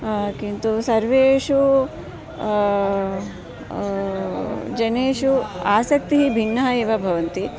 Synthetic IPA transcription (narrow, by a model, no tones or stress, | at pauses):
kint̪usɐɾʋeːʂu | d͡ʒɐneːʃuaːsɐk̚t̪iɦibʱinːɐɦɐeːʋɐbʱɐʋɐnt̪i